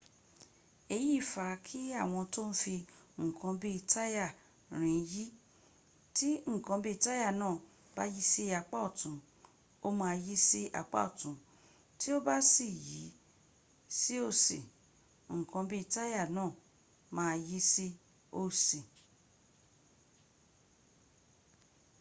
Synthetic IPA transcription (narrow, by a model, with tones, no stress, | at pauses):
e˧ji˦˨fa˨˦kʰi˦a˦˨w̃ɔ̃˧to˦n̩˦fi˧ŋ̩˨kʰã˧bi˦˧ta˦ja˦˨ | ɾ̃ĩ˨˧˦ji˦ | ti˦ŋ̩˨kã˧bi˦˧ta˦ja˦˨nãː˦˨ | ba˦ji˦si˦a˧k͡pa˦ɔ˦˨tũ˨˦ | o˦mã˧ji˦si˦ʔa̰˨k͡pa̰˦ɔ˦˨tũ˨˦ | ti˦o˦ba˦si˦˨ji˨˦ | si˦o˦˨si˨ | ŋ̩˨kã˧bi˦i˦˧ta˦ja˦˨nãː˦˨ | mãː˦˧ji˦si˦ | o˦˨si˨